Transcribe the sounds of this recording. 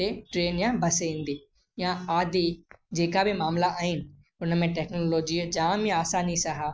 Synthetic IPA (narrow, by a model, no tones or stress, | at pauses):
eʈɾeːnjãbɐsĩːnd̪iː | jãaːd̪ʱid͡ʑeːkabɪmaːmlaʔaːɦɪnɪ̆ | ʊnəmẽʈeːknoːloːd͡ʑid͡ʒãːmĩaːsaːnisaɦaː